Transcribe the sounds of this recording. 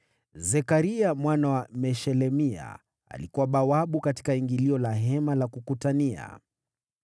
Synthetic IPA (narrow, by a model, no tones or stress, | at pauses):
zɛkaɾiamwanawamɛʃɛlɛmia̰ | a̰likuwaɓawaɓukati̥kaiŋɡiliɔlaɦɛmalakukutania̰